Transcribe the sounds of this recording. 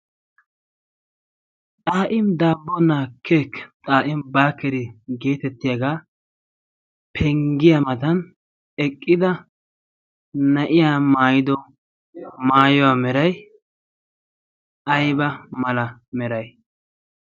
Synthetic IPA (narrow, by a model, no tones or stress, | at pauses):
t̪ʼaːʔɪmd̪aːbːɔnaːkʰːekt̪ʼaːʔɪmbaːkːɛɾɪɡe̞ːt̪ɛt̪ːɪjaɡaː | pʰɛŋɡɪjamɐd̪ɐn | ɛkʼːɪd̪ɐ | nɐʔɪjaːmaːjɪd̪ɔ | maːjɔwaːmɛɾɐj | ɐjbɐmɐlɐmɛɾɐj